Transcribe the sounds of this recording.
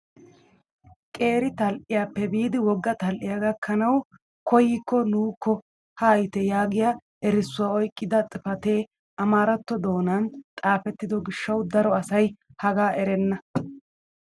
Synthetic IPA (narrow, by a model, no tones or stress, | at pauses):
kʼe̞ːɾɪt̪ɐlʔɪjaːpːɛbiːd̪ɪwɔɡːɐt̪ɐlʔɪjaɡɐkʰːɐnɐw | kɔjɪkːɔnuːkʰːɔ | hɐːjt̪ɛjaːɡɪja | ɛɾɪsːʊwaːɔjkʼːɪd̪ɐt͡sʼɪfɐt̪e̞ː | ɐmaːɾɐt̪ːɔd̪o̞ːnɐnt̪ʼaːfɛt̪ːɪd̪ɔɡɪʃːɐwd̪ɐɾɔɐsɐjhɐɡaːʔɛɾɛnːɐ